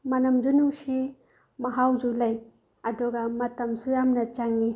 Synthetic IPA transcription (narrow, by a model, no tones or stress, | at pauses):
mɐnɐmd͡ʒunuŋsi | mɐɦawd͡ʒulɐj | ɐduɡɐmɐtɐmsujamnɐt͡ʃaŋːi